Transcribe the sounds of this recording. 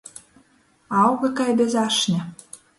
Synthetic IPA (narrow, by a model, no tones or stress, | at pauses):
ɑwɣɤ̆kɑjbezɑʃnʲɘ̆